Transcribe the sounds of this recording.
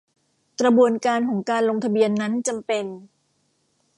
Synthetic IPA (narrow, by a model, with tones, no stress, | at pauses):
kɾa˧bu˧ənkaː˧nkʰɔː˩˦ŋkaː˧nlo˧ŋt̪ʰa˧bi˧ənːa˦˥nt͡ɕa˧mpe˧n